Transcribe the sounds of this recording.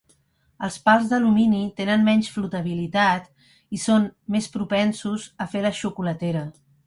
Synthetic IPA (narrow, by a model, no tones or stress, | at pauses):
əlˠspalˠzðəluminit̪enənmɛɲʲsflut̪əβ̞ilit̪at̪ | isonmespɾupɛnsuzəfeləʃukulət̪eɾə